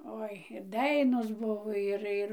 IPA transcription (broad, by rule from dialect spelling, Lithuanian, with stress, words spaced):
ˈoːɪ ˈdɐɪnoːs ˈbʊʋoː ɪr ˈɪr